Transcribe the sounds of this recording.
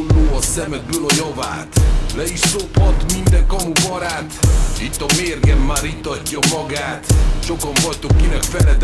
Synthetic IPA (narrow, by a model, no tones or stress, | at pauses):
lːoːɒsɛmɛd̪̚bøːlɒjɒva̰ːt̪lɛiʃsophɒt̪mind̪ɛŋkɒmubɒɾaːt̪it̪ːɒmeːrɡɛmːaːɾit̪ːɒcːɒmɒɡaːt̪ʃo̞kɒɱvɒjt̪okːinɛkfɛlɛt̪